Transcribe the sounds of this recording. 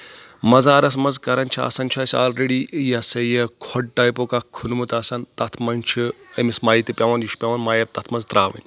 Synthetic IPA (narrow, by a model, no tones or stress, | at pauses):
mɐzaːɾɐsmɐnzkɐɾɐnʲt͡ʃʰia̰ːsɐnt͡ʃʰɐːsʲa̰ːlɾeɽijɐsɐjɐkʰɔɖ̚ʈaːjpoːkaːkʰunmut̪ɐːsɐnt̪ɐt̪ʰmɐnʲt͡ʃʰiɐmismaːjit̪ipʲɐʋɐnjit͡ʃʰpʲɐʋɐnmaːjɐb̚t̪ɐt̪ʰmɐnzt̪ɾaːʋɨ̰nʲ